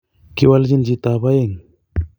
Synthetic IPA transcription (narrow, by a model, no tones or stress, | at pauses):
kiwald͡ʒind͡ʒit̪abajeŋ